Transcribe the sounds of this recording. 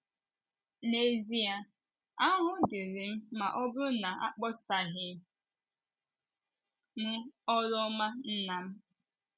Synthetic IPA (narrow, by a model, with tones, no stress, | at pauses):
ne˨zi˦a˨ | a˦ɦʊ˦dɪ˨ɾi˨m̩˦ma˨ʔɔ˦bʊ˦na˨a̰˦k͡pɔ˦sa˨ɦɪ˨ | m̩˦ɔ˦ɾɔ˦ma˦n̩˦na˨m̩˦